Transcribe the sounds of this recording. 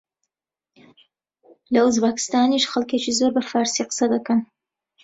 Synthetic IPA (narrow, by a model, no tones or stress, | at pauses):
lɐuzbakɨ̥st̪aːniʃxɐlˠket͡ʃizoːɾbɐfaːɾsiqə̥sɐd̪ɐkɐn